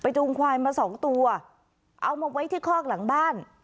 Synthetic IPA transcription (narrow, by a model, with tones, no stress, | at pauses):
pa˧jt̪u˧ŋkʰwaː˧jmaː˧sɔː˩˦ŋt̪u˧ɐ | ʔa˧wmaː˧wa˦˥jt̪ʰiː˥˩kʰɔː˥˩k̚la˩˦ŋbaː˥˩n